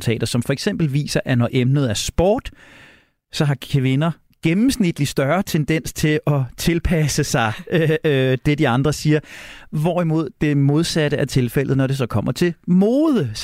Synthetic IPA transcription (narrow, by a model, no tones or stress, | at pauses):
t͡sʰɛ̰ːdɾ̥ɐsɒ̽mfɒ̽eɡ̥sem̰b̥l̩ʋḭːsɐʔænɒʔemnð̞̩ˠæɐsb̥ɒ̰ːd̥ | sɒ̽ɦɑ̈kʰʋe̝nɐ | ɡ̥emm̩snid̥lisd̥ɶɐt͡sʰend̥en̰st͡sʰe̝lɒ̽t͡sʰe̝lpʰæsəsɑ̈ɪød̥e̝d̥iɑ̈nd̥ʁɐsiːɐʋɒimo̝ð̞̰ˠd̥e̝mo̝ð̞ˠsæɾ̥əʔæɐt͡sʰe̝lfel̰ð̩ˠnɒɾ̥e̝sɒ̽kʰɒ̽m̰ɐt͡sʰe̝lmoːð̞ˠə